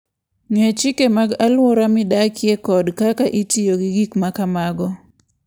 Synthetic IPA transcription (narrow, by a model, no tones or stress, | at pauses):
ŋet͡ʃɪkemaɡalwɔɾamɪdakjekɔdkakaʔitijoɡiɡikmakamaɡɔ